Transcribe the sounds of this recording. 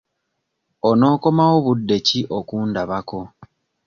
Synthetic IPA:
ono̞ːko̞mawo̞βudːe̞ciʔokuːndaβako̞

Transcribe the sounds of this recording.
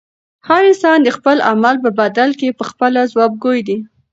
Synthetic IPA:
haɾɪnsɑnd̪əxpəla̰malp̬əbad̪alkepəxpəlazwɑb̚ɡojd̪i

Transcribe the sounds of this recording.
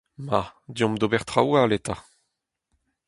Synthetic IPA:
mad̪jɔ̃md̪obɛʁt̪ʁawalet̪a

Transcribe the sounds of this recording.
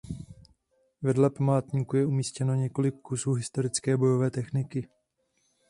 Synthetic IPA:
vɛdlɛpamaːt̪ɲiːkujɛumiːscɛno̞ɲɛko̞lɪkːusuːɦɪst̪o̞ɾɪt͡skɛːbo̞jo̞vɛːt̪ɛxnɪkɪ

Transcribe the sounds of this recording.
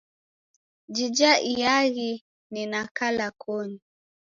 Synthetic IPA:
d͡ʒid͡ʒaʔijaɣi | ninakalakʰɔɲi

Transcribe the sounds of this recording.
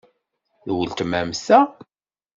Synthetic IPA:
ðwəlt̪mæmsæ

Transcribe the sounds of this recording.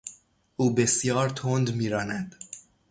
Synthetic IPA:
ʔuːbe̞sjɒːɾt̪ʰond̪miːɾɒːnæd̪̥

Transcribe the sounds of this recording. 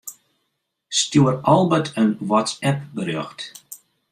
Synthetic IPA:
stjuərɔlˠbətʰənʋɔt͡sɛp̚bəɾjɔxt

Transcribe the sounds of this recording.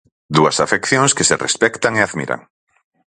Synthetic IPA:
d̪uasafekθjõŋskeserḛspɛkt̪aŋeaðmḭɾa̰ŋ

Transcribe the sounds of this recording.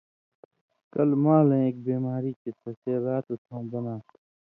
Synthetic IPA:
kɐlmãːlẽeːk̚beːmaːɾiːket̪ɐsaːlaːt̪ut̪ʰõːbɐnãː

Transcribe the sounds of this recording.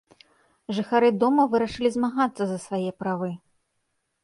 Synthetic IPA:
ʐɨxaɾɨd̪ɔmɐvɨɾɐʂɨlʲizmaɣat̪sːɐzɐsvajɛpɾavɨ

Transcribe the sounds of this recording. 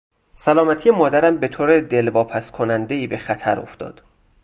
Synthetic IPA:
sælɒːmæt̪ʰijemɒːd̪æɾæmbe̞t̪ʰoːɾed̪e̞lvɒːpʰæskʰo̞nænd̪eiːbe̞xæt̪ʰæɾo̞̰ft̪ɒ̰ːd̪̥

